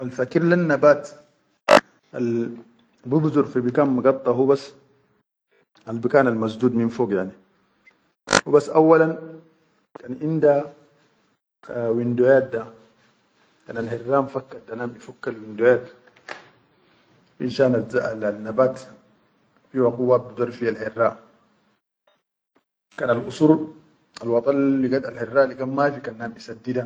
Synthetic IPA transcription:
alfakiɾlanːabaːt̪ | ʔal | bubzuɾfibikaːnmuɡɑt̪ˤːɑɦubasː | albikaːnalmazd̪uːd̪minfoːɡjaʕni | hubasːʔawːalan | kanʔind̪a | wind̪ujaːt̪̚d̪a | ka̰ːnalħirːaːmfakːad̪anaːmifukːalwind̪ojaːt̪ | wʔḭnʃaːnazaʔalalnːabaːt̪ | fiwaquwːabbud̪uɾˤfialħɪrːaːʔ | kaːnalʔusuːɾ | alwɑt̪ˤɑllːiɡad̪alħerːaːʔlikaːnmafikanːaːmʔisad̪ːid̪a

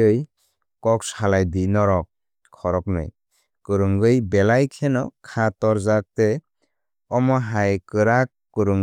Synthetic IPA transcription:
ɯj | kɔkshalajdinɔɾɔk̚ | kʰːɔɾɔk̚nɯ̰j | kɯɾɯŋɡɯjbɛlajkʰɛnɔkʰatɔɾzak̚tɛ | ɔmɔɦajkɯɾakː | ɯɾɯŋ

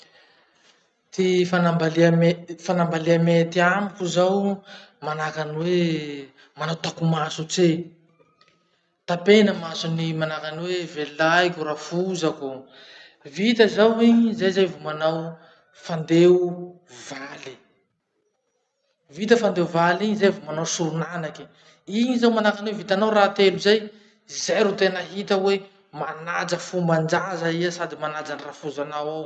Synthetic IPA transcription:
t̪ifanambaliamefanambaliamet̪iamikuzawmanakanwe | manawt̪akumasut͡se | t̪apenəmasunimanakanwevelajkʲuɾafuzaku | vit̪əzawizajzajvumanaw | fand̪eu | vali | vit̪̬əfand̪euvalizajvumanawsuɾunanaki̥ | iɲizawmanakanwevit̪anawrat̪eluzaj | zeɾut̪enəɦit̪əwe | manad͡zəfumband͡ʒazaiasad̪imanad͡zanirafuzanawaw

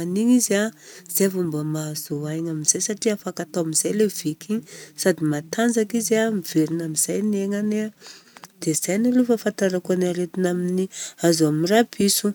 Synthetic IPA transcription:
aniɲizaz̥eavumbəmazoajŋaminz̥ajsaʈ͡ʂiafakat̪owamiz̥ajlev̥ikiɲsad̪imat̪ʰand͡zakizamiveɾinamiz̥ajneŋane | d̪̥ez̥ajnalufafant̪aɾakuanaɾet̪inaminiazuaminrapʰisu

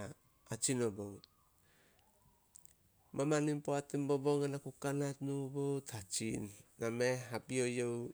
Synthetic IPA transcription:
at͡ʃinobowt̚ | mamanimpoatimboboŋanakukanatnubowtʰat͡ʃinːameɦapiojow

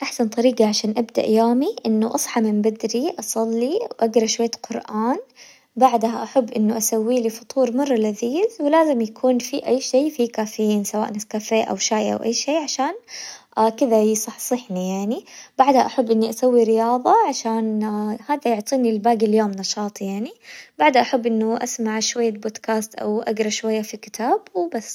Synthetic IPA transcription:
ʔaħsant̪ˤɑɾiːɡɑʕaʃaːnʔabd̪a̰ʔjoːmiʔɪnːʊʔɑsˤħɑmɪmbad̪ɾiʔɑsˤɑlːiwʔaɡɾˤɑʃwajːqʊɾʔaːn | baʕd̪haʔaħabːʔɪnːʊʔasawːiːlifʊ̥t̪ˤuːɾmɑrˤːɑlaziːzwɪlaːzɪmjakʰuːnfiʔajːʃeːfikaːfɪjiːnsawa̰ːʔnɪskaːfeːʔa̰wʃaːjʔa̰wʔa̰jːʃeːʕaʃaːnʔakɪðajɪsˤɨħsˤɨħnijaʕnibaʕd̪haʔaħabːʔɪnːiʔasawːiɾɪjɑːðˤɑʕaʃaːnhaːðajʊʕt̪ˤiːnilbaːɡiljoːmnɑʃɑːt̪ˤjaʕnibaʕd̪haʔaħabːʔɪnːʊʔasmaʕʃwajːaboːd̪kaːst̪ʔa̰wʔa̰ɡɾˤɑʃwajːafikɪ̥t̪ʰaːbwbasː

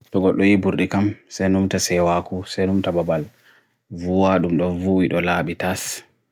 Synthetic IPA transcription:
tɔɡɔɗːɔjibuɾɗikamsɛjnumtasɛwakusɛjnumtababal | vuwaɗumɗɔnvuwiɗɔlaːɓitas

